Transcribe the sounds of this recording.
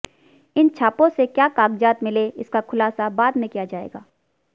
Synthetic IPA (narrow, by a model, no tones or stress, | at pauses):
ɪnt͡ʃʰaːpõsekjaːkaːɡd͡ʒaːt̪mɪleɪskakʰʊlaːsabaːd̪mẽkijad͡ʒaːḛːɡa̰ː